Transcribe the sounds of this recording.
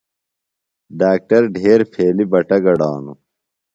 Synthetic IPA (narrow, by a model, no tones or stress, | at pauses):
ɖaːk̚ʈɐɾɖʱeːɾpʰeːlibɐʈɐɡɐɽaːnṵ